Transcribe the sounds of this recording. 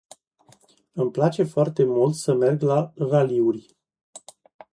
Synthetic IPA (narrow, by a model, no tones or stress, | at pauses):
ɨmplat͡ʃe̞foart̪e̞mult̪səme̞rɡlaraliurʲ